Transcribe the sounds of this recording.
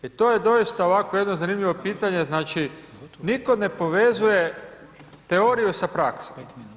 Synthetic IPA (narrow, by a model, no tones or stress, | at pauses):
it̪oje̞d̪o̞ist̪aoʋako̞je̞d̪nozanimʎʲiʋo̞piːt̪aɲe̞znaːt͡ʃi | niko̞ne̞po̞ʋe̞zuje̞ | t̪eo̞ɾijusapɾaksom